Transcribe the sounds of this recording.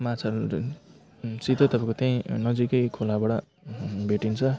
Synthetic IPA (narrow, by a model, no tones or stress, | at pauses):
mat͡sʰal | t͡sit̪ot̪ʌpãĩkot̪ʌĩnʌd͡zikʌjkʰolabaɽʌ | beʈint͡sʰʌ